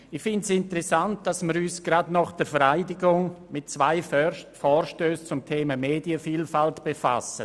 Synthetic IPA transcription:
ɪxfɪndsɪntəɾɛsant̚d̥asmiɾyːsɡ̥ɾadnɑχd̥əɾfɛɾaɪdɪɡʊŋmɪt̚t͡svaɪfɔːɾʃtøːst͡sʊmtʰeːmameːdiəfiːlfaltb̥efa̰sə

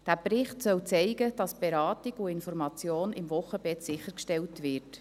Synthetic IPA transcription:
d̥æːprɪχtsœwt͡sɛɪɡəd̥ɑsb̥eɾɑːtɪɡʊɪnfɔɾmɑt͡sjoːnɪmvʊχːəbɛtsɪχəɾkʃtɛltʋɪːɾt

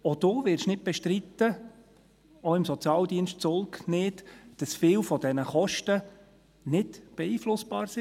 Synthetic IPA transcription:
od̥oːʋɪrʃnɪd̚b̥ɛʃtɾit̪ːə | oɪmsɔt͡sjɑːldiənʃtt͡sʊlˠknɪːtd̥ɑsfɪːlfɔd̥ɛnəχɔʃtə | nɪdb̥ɛiːflʊsb̥ɑːɾsɪ

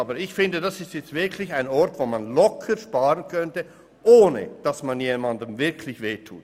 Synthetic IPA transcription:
bəɾɪçfɪndədasɪstjɛt͡sstv̥ɪɐkʰlɪçaɪnɔɾtvoːmanlɔkʰəɾʃpaːʁənkʰœntə | ʔoːnə̰d̥asmanjeːmandəmvɪɐkʰlɪçveːtʰṵːt

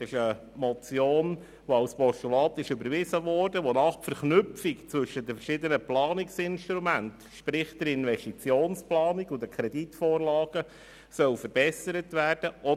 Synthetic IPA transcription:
ɪʃə | mɔt͡sjoːn | ʋoawspɔʃtulɑːt̪ɪʃʏbəɾvɪzəvɔːrdəʋonɑχfɛɾχnʏpfikt͡sʋɵʃədəfəɾʃɪd̪ənəplɑːnɪksɪnʃtɾumænt | ʃpɾɪχd̥̪əɾɪnʋɛstit͡sjoːnsplɑːniɡʊdəkʰɾɛditfoːrlɑːɡ̥ə | sœʊfəɾbɛsəɾətvæːrd̥əʔɔ

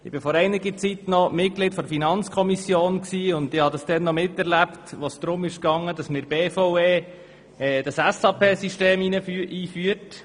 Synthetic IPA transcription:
ɪb̥ɪfɔɾɛɪnɪɡət͡sitnɔmɪt̚klɪdfɔdfinɑnt͡skʰɔmisjoːnksiːʊndɪhɑdɑsd̥ɛnːɔmɪtɛɾlæptʋosd̥̪ɾʊmɪʃkɑŋːədɑsmɪːɾbeːfoʊeː | ɛːd̥ɑsæsɑpʰeːsiʃteːminəyʔiːfyət

